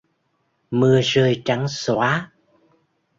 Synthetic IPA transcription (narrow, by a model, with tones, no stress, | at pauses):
mɨ˨˩əzəː˨˩jt͡ɕa˨˧˦ŋswaː˨˦